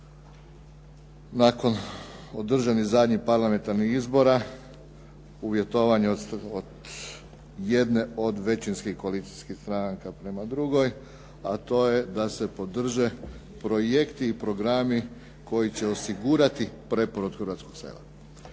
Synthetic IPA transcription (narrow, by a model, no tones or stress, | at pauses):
nako̞nod̪r̩ʒanizad̪ɲixpaɾlˠame̞nt̪aɾnixizbo̞ɾa | uʋje̞t̪o̞ʋaɲeod̪ | je̞d̪ne̞o̞d̪ʋe̞t͡ɕinskixkoalit̪i̥skixst̪ɾaŋkapɾe̞mad̪ɾuɡo̞j | at̪o̞je̞d̪ase̞po̞d̪r̩ʒe̞ | pɾo̞je̞kt̪iːpɾo̞ɡɾami | ko̞jit͡ɕe̞o̞siɡuɾat̪ipɾe̞poɾud̪xɾʋat̪sko̞ɡsḛlˠa̰